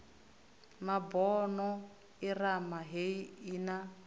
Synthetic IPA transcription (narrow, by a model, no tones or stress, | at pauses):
mabɔnɔ | iramaɦeiina